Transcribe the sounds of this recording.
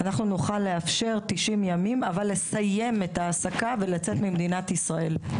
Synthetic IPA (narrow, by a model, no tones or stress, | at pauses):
anaχnunuχalːe̞afʃe̞ʁt̪iʃimjamimavalːe̞saje̞me̞t̪aːsakavelat͡se̞tmimd̪inat̪isʁae̞l